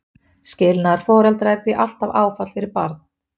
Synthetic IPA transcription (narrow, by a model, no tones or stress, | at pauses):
scɪlnaɾ̥fɔːɾɛlt̪ɾaɛɾ̥θiʔal̥t̪avaːwfat̪fɪɾɪɾpaɾt̪̚n̥